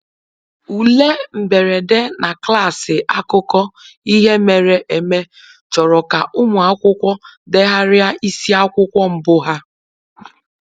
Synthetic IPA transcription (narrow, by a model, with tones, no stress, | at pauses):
u˨le˦m̩˨be˨ɾe˨de˦na˨kla˦˨sɪ˨ʔa˦kʊ˦kɔ˦i˦ɦe˦me˨ɾe˨ʔe˨me˦ | t͡ʃɔ˨ɾɔ˨ka˨ʔʊ˦mʊ˨a˦kʷʊ˦kʷɔ˦de˦ɦa˦ɾɪ˦a˦i˦si˦a˦kʷʊ˦kʷɔ˦m̩˦bʊ˦ɦa˦